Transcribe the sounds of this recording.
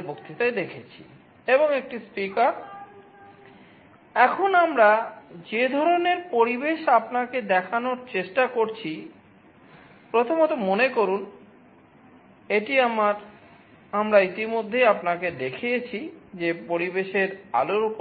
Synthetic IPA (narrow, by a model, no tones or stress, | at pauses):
bokt̪it̪ajd̪ekʰet͡ɕʰi̥̰ | eβoŋek̚ʈispikaɾ | ɛkʰonamɾad͡ʑed̪ʱɔɾoneɾpoɾibeʃapnaked̪ɛkʰanoɾt͡ɕeʃʈakoɾt͡ɕʰi | pɾot̪ʰomot̪omonekoɾun | eʈiamaɾ | amɾait̪imod̪ʱːejapnaked̪ekʰijet͡ɕʰid͡ʑepoɾibeʃeɾa̰loɾup